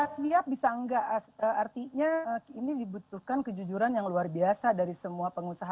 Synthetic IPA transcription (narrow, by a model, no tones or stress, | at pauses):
sliap̚bisaəŋɡaʔəart̪iɲainidibut̪uhkankəd͡ʒud͡ʒuɾanjaŋluarbiasadaɾisəmuapəŋusaɦa